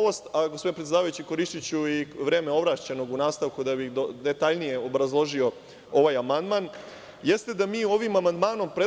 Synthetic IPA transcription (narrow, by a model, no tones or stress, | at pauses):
ost̪aɡospoinepɾt̪ed̪aːʋajut͡ɕiko̞ɾiʃt̪it͡ɕuiʋɾe̞ːmeo̞ʋɾat͡ɕeno̞ɡunaːst̪aʋkud̪abixd̪od̪et̪aʎnije̞obɾazlˠo̞ʒio̞ | o̞ʋaːjamand̪man | je̞st̪e̞d̪amiːo̞ʋimamand̪maːno̞mpɾe